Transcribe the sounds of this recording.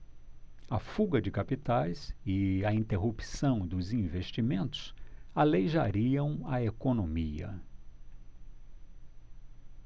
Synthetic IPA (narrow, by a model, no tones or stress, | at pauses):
ɐfuɡɐd͡ʒɪkapit̪ajsɪɐĩnt̪eɦupsɐ̃w̃d̪ʊzĩveʃt͡ʃimẽnt̪ʊ̥salejʒaɾiɐ̃w̃ɐekonõmiɐ̰